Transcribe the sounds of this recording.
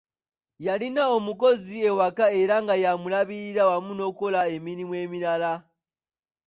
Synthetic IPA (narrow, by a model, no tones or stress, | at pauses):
jalinao̞muko̞zie̞wakae̞ɾaŋɡajamulaβiɾiɾawamuno̞kolae̞miɾimwe̞ːmiɾala